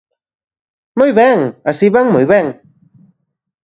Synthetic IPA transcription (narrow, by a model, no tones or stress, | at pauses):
mojβɛŋasiβaŋmojβɛŋ